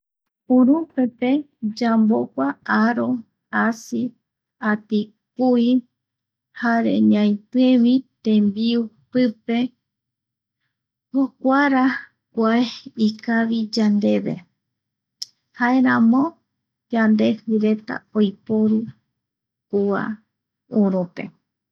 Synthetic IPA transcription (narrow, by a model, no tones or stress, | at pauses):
uɾupe̞pe̞ | d͡ʒambo̞kʷaaɾo̞ | asi | at̪i | kui | haɾḛɲãj̃t̪eʋit̪ẽmbiu | pɨpe̞ | hokʷaɾa | kʷaeikaʋid͡ʒand̪e̞βe̞̰ | haeɾãmõ̞ | d͡ʒand̪e̞hɨɾe̞t̪a̰ojpo̞ɾu | kua̰ | uɾupe̞̰